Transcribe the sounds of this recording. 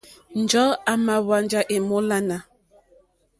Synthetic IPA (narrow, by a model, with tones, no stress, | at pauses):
n̩˨d͡ʒɔ˨˦a˨ma˨wa˨nd͡ʒa˨ʔe˨mo˦la˦na˨